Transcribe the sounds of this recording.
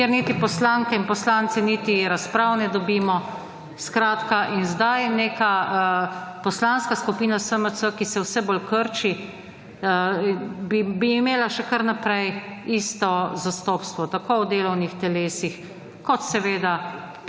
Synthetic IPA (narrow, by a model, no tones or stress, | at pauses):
kjɛɾnit̪ipɔslaŋkɛinpɔslaːnt̪sɛnit̪iɾaspɾawnɛd̪ɔbiːmɔ | skɾaːt̪kaʔinzd̪ajneːka | pɔslanskaskupiːnasəməsəkisɛwsɛbolkəɾt͡ʃi | bibiːmeːlaʃɛkəɾnapɾɛjist̪ɔzast̪ɔːpst̪ʋɔt̪akowd̪eːlɔwnixt̪ɛleːsix | kɔt̪sɛʋeːd̪a